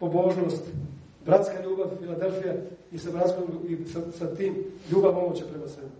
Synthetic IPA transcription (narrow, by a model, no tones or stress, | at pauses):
po̞bo̞ːʒnoːst̪ | bɾat̪skaʎuːbaʋfilad̪elfijaisabɾat̪skouisasat̪iːmʎuːbaʋo̞mot͡ɕapɾemasʋebi